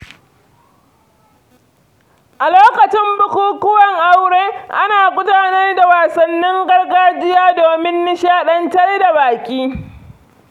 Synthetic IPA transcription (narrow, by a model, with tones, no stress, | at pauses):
ʔa˨loː˦kɐ˨t͡ʃɪ˦mbʊ˦kʷuː˦kʷʊ˦wɐ˨ŋʔa˦wɽeː˦ʔa˦naː˨kʷʼʊ˦taː˨nɐ˦rda˨waː˨sɐ˨nːɪ˦ŋɡɐ˦rɡaː˦d͡ʒɪ˦jaː˦doː˨mɪ˦nːɪ˦ʃaː˦ɗɐ˦ntɐ˦rda˨baː˨kʲiː˦